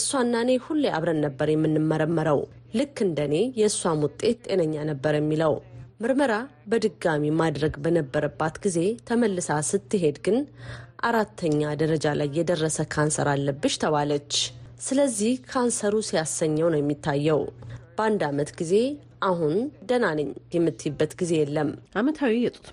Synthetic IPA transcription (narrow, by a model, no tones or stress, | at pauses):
ɨsːwanːane̞hulːea̰βɾənːəbːəɾjɛmːɨnːɨmːəɾəmːəɾəw | lɨkːɨnd̪əne̞jɛɨsːwamwʊt̪ʼe̞t̪t̪ʼe̞nəɲːanəbːəɾjɛmːiləwmɨɾməɾabəd̪ɨɡamimad̪ɾəɡbənəbːəɾəbːat̪ɡize̞t̪ʰəməlːɨsasɨt̪ːɨɦe̞d̪ɡɨnʔaɾat̪ʰːəɲːad̪əɾəd͡ʒalajːɛd̪ərːəsəkʰansə̰ɾalːəbːɨʃt̪ʰəβalət͡ʃːsɨləzːihkʰansəɾusijasəɲːəwnəwjɛmːit̪ʰːajːɛwb̥əand̪amət̪ɡize̞ | ʔaɦund̪ənalɨɲːjɛmːɨt̪ʰːibːət̪ɡize̞jɛlːəmʔamət̪ʰawijɛt̪ʼu̥t̪